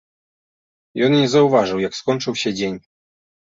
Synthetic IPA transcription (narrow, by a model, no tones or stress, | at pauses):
jɔnɲɛzauvaʐɘwjakskɔɲʲt͡ʂɘwɕɛd͡ʑeɲ